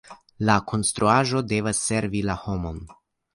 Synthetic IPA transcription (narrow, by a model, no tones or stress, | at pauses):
lakʰo̞nst̪ɾuaʒo̞de̞vasːe̞ɾvilaho̞mo̞n